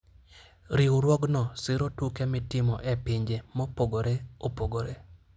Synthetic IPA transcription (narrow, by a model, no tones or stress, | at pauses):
ɾiuɾwɔɡnɔsɪɾotukemɪtɪmɔʔepiɲd͡ʒemɔpoɡoɾeopoɡoɾe